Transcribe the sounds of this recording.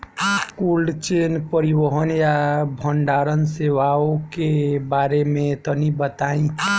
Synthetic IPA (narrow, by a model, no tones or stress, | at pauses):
kulɖt͡ʃenpəɾibəɦənjabʱəɳɖaɾənseʋaokebaɾemet̪ɔnibət̪aĩ